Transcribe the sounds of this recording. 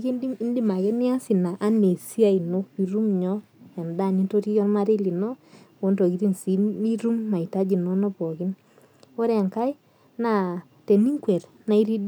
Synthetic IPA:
ki˦ndi˦i˦ndi˦ma˨kɛ˦ni˦a˦si˨na˨ʔa˦ne˨si˦a˦i˨no˦kpi˨ɾu˦mɲɔ˦ | ɛ˨nda˦˨ni˦to˦ti˦kɔ˦nma˦ɾe˦li˨nɔ˦o˨˦nto˨ki˨ɾi˦nsi˦i˦ɾu˦mːa˨ita˦d͡ʒi˨no˦nɔ˦pɔ˨ki˦n | o˦ɾɛ˨ŋka˦j | na˨ | te˨ni˦ŋkwɛ˨ɾ | na˨˦i˦ɾi˦d

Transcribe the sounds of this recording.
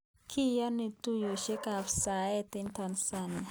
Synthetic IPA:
kʰi˦jɔ˦ni˨tu˦jo˨ʃɛ˦ka˨fsa˨ɛ˦t̪i˦ntʰɔ˨nsa˨na˨

